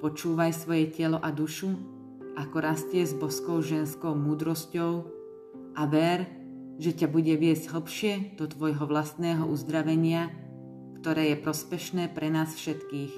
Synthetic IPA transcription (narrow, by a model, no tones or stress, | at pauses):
pɔt͡ʃuːʋajsʋɔjɛcɛlɔʔad̪uʃu | ʔakɔɾascɪɛzbɔskɔʊʒɛnskɔʊmuːd̪ɾɔscɔʊ | ʔaʋɛɾ | ʒɛcabuɟɛʋɪɛzɟɦl̩pʃɪɛd̪̥ɔt̪ʋɔjɦɔʋlast̪nɛːɦɔʔuzd̪ɾaʋɛɲɪa | kt̪ɔɾɛːjɛpɾɔspɛʃnɛːpɾɛnaːsfʃɛt̪kiːx